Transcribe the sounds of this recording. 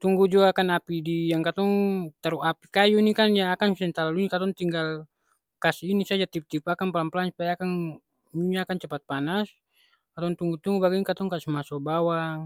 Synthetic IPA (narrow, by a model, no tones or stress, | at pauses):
t̪uŋɡud͡ʒuakanapidijaŋkat̪ɔŋt̪aɾuapikajunikanjaːkansɛnt̪alalunikat̪ɔŋt̪iŋɡal | kasiːnisad͡ʒat̪ip̚t̪ipakanpalampalansu̥pajaːkan | muɲaːkant͡ʃapat̪̚panas | kat̪ɔŋt̪uŋɡut̪uŋɡubaɡinkat̪ɔŋkasimasɔbawa